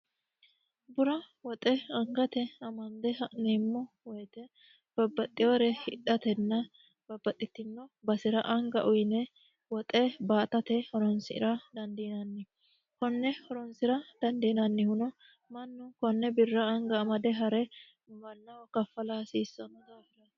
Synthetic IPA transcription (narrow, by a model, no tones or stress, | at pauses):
bʊɾɐ | wɔt̪ʼɛɐŋɡɐt̪ɛɐmɐnd̪ɛneːmːɔ | wɔjt̪ɛ | b̥ɐbːɐt̪ʼːɪjoɾɛhɪᶑɐt̪ɛnːɐ | b̥ɐbːɐt̪ʼːɪt̪ːɪnːɔbɐsɪɾɐʔɐŋɡɐ̰ʔʊjnɛ | wɔt̪ʼɛbaːt̪ɐt̪ɛhɔɾɔnsɪɪ̰ɾɐd̪ɐnd̪iːnɐnːɪ | kɔnːɛhɔɾɔnsɪɾɐd̪̥ɐnd̪eːnɐnːɪhʊnɔ | mɐnːʊkɔnːɛbɪrːɐɐŋɡɐːmɐd̪ɛɦɐɾɛ | mɐnːɐwɐkɐfːɐlaːsiːsːɐnɔd̪aːfɪɾɐ